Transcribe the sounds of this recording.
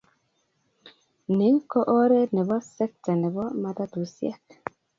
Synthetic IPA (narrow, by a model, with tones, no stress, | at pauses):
ne˨˦ŋkɔ˦ʔɔ˦ɾɛ˦nɛ˨βɔ˦sɛ˦k̚ta˨nɛ˨bɔ˦ma˨ta˦tu˨sjɛ̰˦k